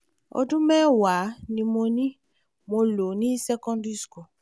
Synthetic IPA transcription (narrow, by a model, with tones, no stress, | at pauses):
ɔ̰˨˦du˦mɛ˦wa˨˦ni˨mo˧ni˦ | mo˧lo˨ni˦sɛ˦kɔ̃˦ndi˦sko˨